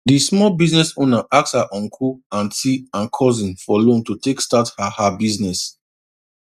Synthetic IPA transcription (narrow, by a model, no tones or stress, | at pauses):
dismɔlbiznɛsonaʔakshaʔɔ̃nkʰuãntʰiãnkʰɔzĩnfɔlõntutekstathahabiznɛs